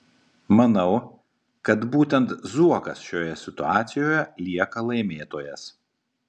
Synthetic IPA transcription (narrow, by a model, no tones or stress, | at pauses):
mɐnɐʊ | kɐt̪buːt̪ʲɛnt̪zuɔkɐsʃʲoːjɛsʲɪt̪ʊɑːt̪sʲɪjoːjɛlʲiɛkɐlˠɐɪmʲeːt̪oːjɛs